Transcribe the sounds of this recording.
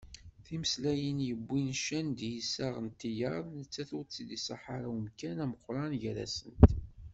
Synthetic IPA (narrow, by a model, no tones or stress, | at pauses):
θiməslæjənjəbʷːinʃænd̪jəsæʁənt̪ːijəɾˤnət͡sːæθut͡sːid̪isɑ̰ħaɾawəmkænæməqʷːɾˤɑnʝəɾæ̰sənt̪